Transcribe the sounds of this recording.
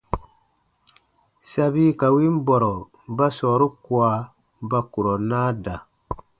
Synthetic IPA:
sa˨bi˦ka˨wi˦m˦bɔ˨ɾɔ˨ | ba˦sɔː˨ɾu˦ku˨a˨ | ba˦ku˨ɾɔ˨naː˦da˨

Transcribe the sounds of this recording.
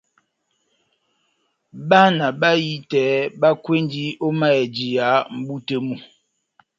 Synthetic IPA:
ba˦na˨ba˦ji˦tɛː˨˦ba˦kwe˦n˦di˦o˦ma˦ɛ˨d͡ʒi˨ja˨˦m̩˦bu˦te˦mu˨

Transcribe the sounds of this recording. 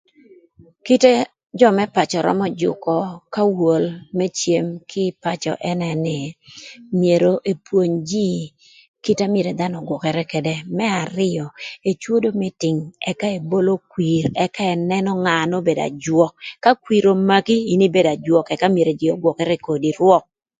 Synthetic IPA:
ki˦te˦ | d͡ʒɔ˦mɛ˦pa˨t͡ʃɔ˨ɾɔ̰˦mɔ˦d͡ʒʊ̰˨kɔ˨ka˦wo˨lmɛ˦t͡ʃje˨mkʰɪ˦pa˨t͡ʃɔ̰˨ʔɛ˦nɛ˨nɪ˨ | mje˨ɾo˨ʔe˨pwo˨ɲd͡ʒi˦ | ki˦ta˦mje˨ɾe˨d̪a˦nɔ˨ɡwɔ˨kɛ˨ɾɛ˦kɛ˨de˦mɛ˦a˨ɾɪ˦ɔ˨e˨t͡ʃwo˦do˦mɛ˦tɪ˨ŋɛ˦ka˦e˨bo˦lo˦kwi˨ɾɛ˦ka˦ɛ˨nɛ˦nɔ˦ŋa˨no˦be˨da̰˨d͡ʒwɔ˦kːa˦kwi˨ɾo˨ma˦kiː˦˨ni˦be˦da˨d͡ʒwɔ˨kɛ˨ka˦mje˨ɾe˨d͡ʒi˨ɔ˨ɡwɔ˨kɛ˦ɾɛ˦ko˨di˨ɾwɔ˦k̚

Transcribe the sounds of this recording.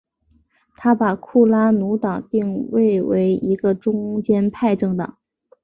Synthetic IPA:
t̪ʰa˥pa˨˩kʰu˥˩la˥nu˧˥t̪ɑ˨˩˦ŋt̪i˥˧ŋwe˥˩ɪwe˧˥ɪi˧˥ɡə˧ʈ͡ʂʊ˥ŋt͡ɕjɛ˥npʰa˥˧ɪʈ͡ʂɤ˥˩ŋt̪ɑ̰˨˩˦ŋ

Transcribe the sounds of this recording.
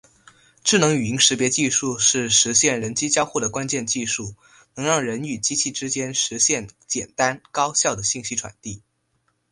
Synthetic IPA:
ʈ͡ʂɻ̩˥˩nɤ˧˥ŋy˨˩i˧˥ŋʂɻ̩˧˥pjɛ˧˥t͡ɕi˥˧ʂu˥˧ʂɻ̩˥˩ʂɻ̩˧˥ɕjɛ˥˩nɻə˧˥nt͡ɕi˥t͡ɕjɑ˥ʊxu˥˩d̪ə˩kwa˥nt͡ɕjɛ˥˧nt͡ɕi˥˧ʂu˥˩ | nɤ˧˥ŋɻɑ˥˩ŋɻə˧˥ny˨˩t͡ɕi˥t͡ɕʰi˥˩ʈ͡ʂɻ̩˥t͡ɕjɛ˥nʂɻ̩˧˥ɕjɛ˥˩nt͡ɕjɛ˨˩nt̪a˥nkɑ˥ʊɕjɑ˥˩ʊd̪ə˩ɕi˥˩ŋɕi˥ʈ͡ʂʰwa̰˨˩nt̪i˥˩

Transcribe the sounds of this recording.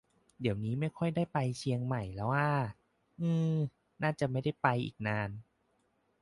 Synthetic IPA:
di˩˦əwniː˦˥ma˥˩jkʰɔ˥˩jdaː˥˩jpa˧jt͡ɕʰi˧əŋma˨˩jlɛː˦˥waː˥˩ | ʔɯː˧ | naː˥˩t͡ɕa˨˩ma˥˩jda˥˩jpa˧jʔḭː˨˩k̚naː˧n

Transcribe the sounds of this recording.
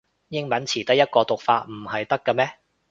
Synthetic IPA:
jɪ˥ŋmɐ˨˥nt͡sʰiː˨˩t̪ɐ˥k̚jɐ˥t̚kɔː˧t̪ʊ˨k̚faː˧˥t̚m̩˨˩hɐ˨jt̪ɐ˥kːɐ˧mɛː˥

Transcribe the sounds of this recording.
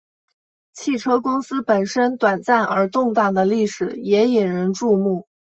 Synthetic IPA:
t͡ɕʰi˥˩ʈ͡ʂʰɤ˥kʊ˥ŋsɹ̩˥pə˨˩nʂə˥nt̪wa˨˩nt͡sa˥˩nə˞˧˥t̪ʊ˥˧ŋt̪a˥˩d̪ə˩li˥˩ʂɻ̩˨˩jɛ˧˥i˨˩nɻə˧˥nʈ͡ʂu˥˧mu˥˩

